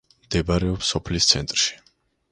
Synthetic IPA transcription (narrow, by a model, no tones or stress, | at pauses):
md̪̥ɛbaɾɛɔpsɔpʰlist̪sʰɛnt̪ʼɾʃi̥